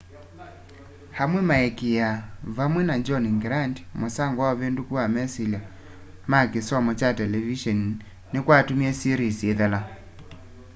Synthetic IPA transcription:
hamwɛmaɛkejaβamwɛnad͡ʒɔniŋɡɾandmosaŋɡwaβendukuamɛsilja | makesɔmɔt͡ʃatɛlɛviʃɔn | nekwatumiɛsiɾisieðɛla

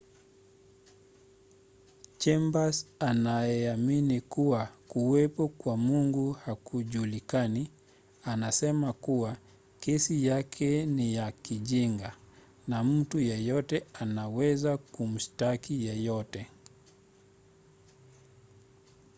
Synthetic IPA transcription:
t͡ʃɛmbasanajɛaminikuwakuwɛpɔkwamuŋɡuhakuʄulikani | anasɛmakuwa | kɛsijakʰɛnijakiʄiŋɡa | nam̩tujɛjɔtɛanawɛzakum̩ʃtakijɛjɔtɛ

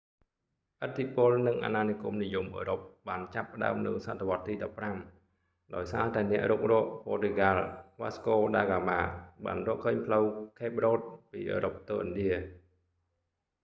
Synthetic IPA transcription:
ʔət̪ʰːipʊ̆əlnɨŋʔa̰naːnikumnijumʔəːɾop̚ɓaːnt͡ɕapːə̆ɗa̰əmnɨ̰wsat̪ʰːeʋŏət̪ːiːɗɑpːram | ɗaɔjsaːt̪aɛnɛ̆əʔruːk̚rɔ̆əʔpɔːt̪eɡaːlʋaːskoːɗaːɡaːmaːɓa̰ːnrɔ̆əʔkʰəːɲpʰləwkʰeːp̚roːt̪̚piːʔə̰ːɾop̚t̪oːʔənɗiə

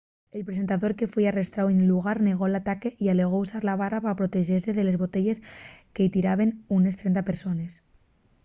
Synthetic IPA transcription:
elpɾesent̪aðoɾke̞fwejarest̪ɾawenluɣ̞aɾneɣ̞olat̪akeʔialeɣ̞ousaɾlaβ̞arapapɾot̪eʒeɾseðele̞zβo̞t̪eʎe̞skeit̪iɾaβ̞enune̞st̪ɾent̪apeɾso̞nes

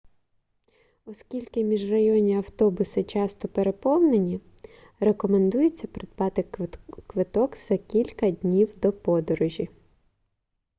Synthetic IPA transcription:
ɔskʲilʲkɪmʲiʒrɐjɔnʲiɐwt̪ɔbʊsɪt͡ʃɑst̪ɔpe̞ɾe̞pɔwnenʲi | re̞kɔme̞nd̪ujʊt͡sʲːɐpɾɪd̪̚pɑt̪ɪkʋɪt̪ɔɡz̥ɐkʲilʲkɐd̪ʲnʲiwd̪ɔpɔd̪ɔɾʊʒʲi

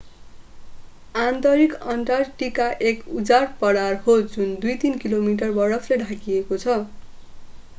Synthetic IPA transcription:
ant̪ʌɾikʌnʈarʈikaʔekud͡zarpʌɽarhod͡zund̪ujt̪inkilomiʈ̬ʌrbʌɾʌfleɖʱakiekot͡sʰʌ

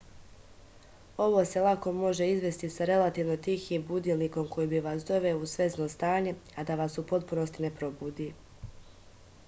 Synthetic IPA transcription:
o̞ʋo̞ːse̞lˠako̞mo̞ʒe̞izʋe̞st̪isaɾe̞lat̪iːʋno̞t̪ixiːmbud̪ilniko̞mko̞jiːbiʋaːsd̪o̞ʋeousʋe̞zno̞ːst̪aːɲe̞ad̪aʋaːsupo̞t̪̚puno̞st̪ine̞pɾo̞buːd̪iː

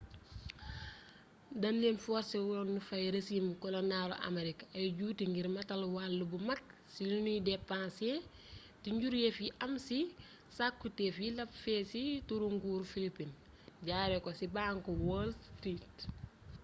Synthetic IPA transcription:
dɐnlenfɔːɾsɛwulonufɐjɾesimkɔlɐnaːlo̰ʔɐ̰meɾikɐjɟuːtiŋɡiɾmɐtɐlwalːubumɐk̚silunujidɛpːãse | tiɲɟuɾjefiʔɐmsi | sakːutefilɐpfɛːsituɾuŋɡuːɾfilipin | ɟaːɾɛkɔsibaːŋkɔwɔːlstɾit

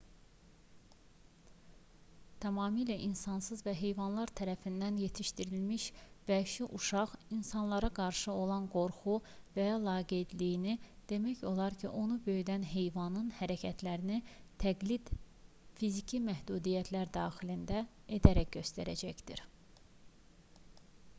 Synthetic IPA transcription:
t̪ʰæmɑːmilæʔinsɑnsɯzvæɦe̞jvɑnlˠɑɾt̪ʰæɾæfind̪ænje̞t̪ʰiʃt̪iɾilmiʃvæʃuʔuʃɑʁinsɑnlˠɑɾɑɡɑɾʃɯo̞lˠɑnɡo̞ɾχuvæjlˠɑːɡeed̪lijinid̪̥e̞mæço̞lˠɑɾcʰiʔo̞nubø̞jyd̪ænɦe̞jvɑnɯnhæɾæcʰæt̪ʰlæɾinit̪ʰæɡlid̪̥ | fizicʰimæhd̪uːd̪ijæt̪ʰlæɾd̪ɑːxilind̪æe̞d̪æɾækɟø̞st̪æɾæ̰d͡ʒæçd̪iɾ

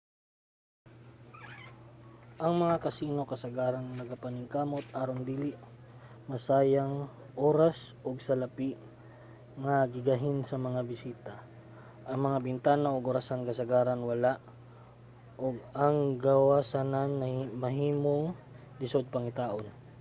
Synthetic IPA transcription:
ʔɐŋmɐŋakɐsiːno̞kɐsɐɡaːɾɐnnɐɡapɐnɪŋkaːmot̪̚ʔaːɾoŋd̪iːlɪʔ | mɐsaːjaŋ | ʔoːɾas | ʔoɡ̚sɐlɐpiʔ | ŋɐɡɪɡaɦɪnsɐmɐŋabɪsiːt̪a | ʔɐŋmɐŋabɪnt̪aːnaʔoɡoɾasankɐsɐɡaːɾɐnwɐlaʔ | ʔoɡ̚ɐŋɡɐwaːsananːɐmɐɦiːmo̞ŋ | lɪsod̪̚pɐŋɪt̪aːʔon

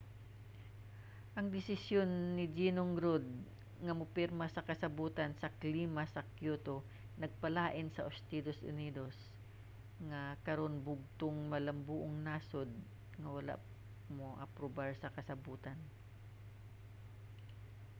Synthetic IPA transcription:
ʔɐŋd̪ɪsɪsjonːɪd͡ʒinoŋɾod̪̚ | ŋɐmʊpɛɾmɐsɐkɐsɐbuːt̪ɐnsɐkliːmɐsɐkjuːt̪o | nɐɡ̚pɐlaːʔɪnsɐʔost̪id̪osʔʊ̰niːd̪os | ŋɐkɐɾo̞nbʊɡ̚t̪oŋmɐlɐmbuːʔoŋnasod̪̚ | ŋɐwɐla̰ʔ | moʔɐ̰pɾobaɹsɐkɐsɐbuːt̪ɐn

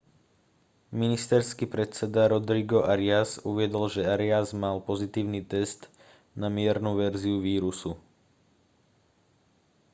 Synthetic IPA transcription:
minist̪ɛɾskiːpɾɛt͡sɛd̪aɾɔd̪ɾiɡɔʔaɾɪazuʋɪɛd̪ɔlʒɛaɾɪazmalpɔzit̪iːʊniːt̪ɛst̪ | namɪɛɾnuʋɛɾziuʋiːɾusu

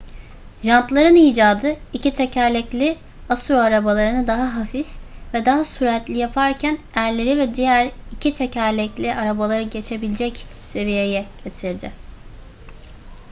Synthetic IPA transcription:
ʒant̪lˠaɾɯniːd͡ʒaːd̪ɯicʰit̪ʰecʰæɾlʲɛclʲɪ | asuɾoaɾabalˠaɾɯnɯd̪aɦaɦafifvɛd̪aɦasuɾɛt̪lʲijapʰaɾcʰænæɾlʲe̞ɾivɛd̪ijæɾicʰit̪ʰecʰæɾlʲɛclʲiʔaɾabalˠaɾɯɟe̞t͡ʃʰe̞bilʲd͡ʒɛcse̞vijejɛɟ̥e̞t̪ʰiɾd̪ɪ

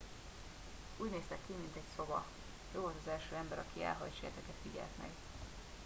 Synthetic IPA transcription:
uːɟneːst̪ɛkːimint̪ɛcso̞bɒ̰ | joːvolt̪ɒzɛlʃøːɛmbɛɾɒkiɛ̰lɦɒ̰jt͡ʃḛt̪ɛkɛt̪fiɟɛ̰lt̪mɛ̰ɡ

